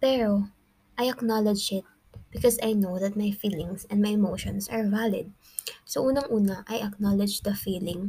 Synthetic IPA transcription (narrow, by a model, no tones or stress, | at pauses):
pɛɹo | ʔɐjɐknalɛd͡ʒɪt̪̚ | b̥ɪkɔsɐjnowðɐt̪̚mɐjfiːlɪŋsɛ̃nd̪̚majɛmowʃɔ̃nsɐɹvalɪ̰d̪̚ | sɐʔuːnɐŋʔuːnɐʔɐjʔɐk̚nalɛd͡ʒd̪ɐfiːlɪ̃ŋ